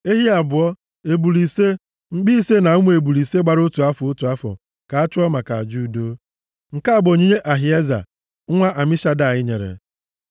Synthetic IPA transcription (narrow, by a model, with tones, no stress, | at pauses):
e˦ɦi˦a˨bʊ˨ɔ˦ | e˨bu˨li˨se˦ | ŋ͡m̩˦ɡ͡bi˦se˦na˨u˦mʷu˦e˨bu˨li˨se˦ɡ͡ba˨ɾʊ˦tu˨a˦fʊ˨o˦tu˨a˦fɔ̰˨ | ka˨a˦t͡ʃʊ˦ɔ˦ma˨ka˨a˨d͡ʒu˦˨do˦ | ŋ̩˨ka˦a˦˨bo˨ɲi˦ɲe˦ʔa˨ɦi˨e˦za̰˨˦ | ŋʷa˦ʔa˨mi˦ʃa˦da˦˨ɪ˦ɲḛ˨ɾḛ˨